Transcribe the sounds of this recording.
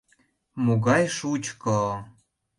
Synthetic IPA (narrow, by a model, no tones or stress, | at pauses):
muɣɑjʃut͡ɕkɤ